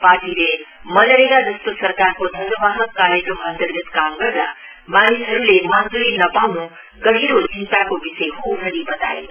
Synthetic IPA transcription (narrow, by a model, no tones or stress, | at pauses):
paːɾʈiɾemənəɾeɡad̪ust̪osəɾkaɾkod̪ʱənəʋaɦəkːaɾjəkɾəmənt̪əɾɡət̪kamɡəɾɾa̰ | manisəɾulemand͡zuɾinɐpawnũ | ɡəɦiɾod͡ʒint̪akoʋiseɦuɦəɽibət̪a̰jḛ